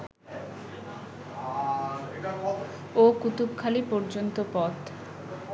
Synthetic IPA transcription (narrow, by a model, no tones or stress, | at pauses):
okut̪upkʰalipɔɾd͡ʑont̪opɔt̪